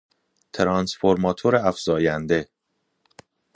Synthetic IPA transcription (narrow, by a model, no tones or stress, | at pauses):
t̪ʰeɾɒnsfoɾmɒːt̪ʰoɾeæfz̥ɒːjænd̪e̞